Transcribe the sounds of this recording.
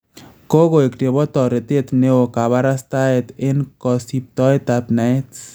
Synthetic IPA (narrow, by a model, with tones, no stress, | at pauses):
ko˦ɣo˨ekte˨bɔ˦t̪ɔ˨ɾe˨t̪e˦t̪ne˦o˨ka˨βa˦ɾa˦st̪a˦et̪e˦nkɔsip̚t̪ɔ˦jt̪apna˨et